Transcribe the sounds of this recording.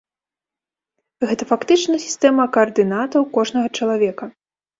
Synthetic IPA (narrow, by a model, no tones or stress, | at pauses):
ɣɛt̪ɐfakt̪ɨt͡ʂnɐsʲi̥st̪ɛmɐkɐːrd̪ɨnat̪ɐwkɔʐnɐɣɐt͡ʂɐlˠavʲɛkɐ